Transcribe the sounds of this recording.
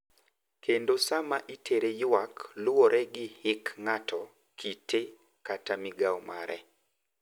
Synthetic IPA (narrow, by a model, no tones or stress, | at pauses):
kʰendosamaʔitʰeɾejʊwaklʊoɾʔɛɡɪhɪkŋatɔ | kʰitʰe | katamɪɡawɔma̰ɾʔɛ̰